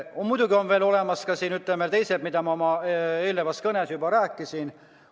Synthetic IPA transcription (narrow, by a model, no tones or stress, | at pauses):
mujd̥̪uɡio̞nve̞ːlo̞le̞mɑskɑsiːnyt̪lemelt̪e̞jseb̥mid̪̥ɑmɑomɑeːlːevɑskɤne̞sjubɑɾæːkːˑisin